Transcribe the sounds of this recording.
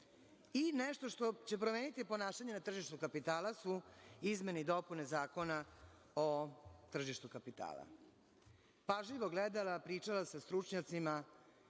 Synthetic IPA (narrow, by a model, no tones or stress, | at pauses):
ineʃt̪o̞ʃt̪o̞t͡ɕe̞pɾomeːnit̪ipo̞naːʃaɲenat̪r̩ʒiʃt̪ukapit̪aːlasuizme̞nid̪o̞pune̞zaːko̞na | ot̪r̩ʒiʃt̪ukapit̪a̰ːlˠa̰ | paʒlʲiʋo̞ɡled̪alapɾiːt͡ʂalasast̪ɾut͡ʃɲat̪sima